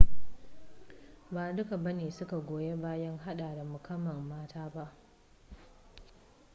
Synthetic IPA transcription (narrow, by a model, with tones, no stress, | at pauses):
baː˨dʊ˦ka˨bɐ˦neː˨sʊ˦ka˨ɡʷoː˨je˦baː˦jɐ˦ŋɦa˦ɗaː˨da˨mʊ˨kʰɐ˦mːɐ˨mːaː˦tʰaː˦ba˦ʔ